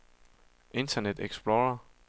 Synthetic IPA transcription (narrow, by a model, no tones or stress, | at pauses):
ʔe̝nt͡sʰɐned̥eɡ̥sb̥loːɐ